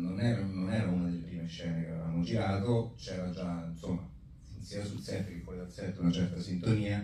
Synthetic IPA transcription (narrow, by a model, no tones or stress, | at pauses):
nonɛɾanonɛːɾaunad̪elːepɾiːmeʃːɛːnekeeva̰mːod͡ʒiɾaːt̪ot͡ʃɛːɾad͡ʒainsomːa | insiːasulsɛt̪ːekepːɔjd̪asɛt̪ːunat͡ʃɛrt̪asint̪oniːa